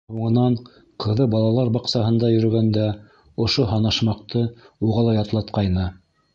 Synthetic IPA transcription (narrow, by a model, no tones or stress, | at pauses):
huɴɤ̆nɑɴ | qʰɤ̆ðɤbɑlˠɑlˠɑɾbɑqsɑɦɤ̆nd̪ɑjɵ̆ɾɵ̆ɡænd̪æ | ŏʃoɦɑnɑʃmɑq̚t̪ɤuʁɑlˠɑjɑt̪lˠɑt̪̚qɑjnɤ